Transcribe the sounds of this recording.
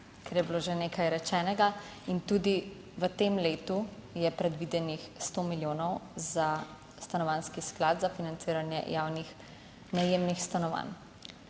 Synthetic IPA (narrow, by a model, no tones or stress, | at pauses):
kʰɛɾjɛbiloːʒeneːkʰajɾɛt͡ʃɛːnɛɡa | int̪uːd̪i | ʋət̪emleːt̪ujɛpɾɛd̪ʋid̪ɛnixst̪oːmiljoːnɔwza | st̪anɔʋanskisklaːd̪zafinant̪siːɾanjɛ̰jaːwnix | najeːmnixst̪anɔʋa̰n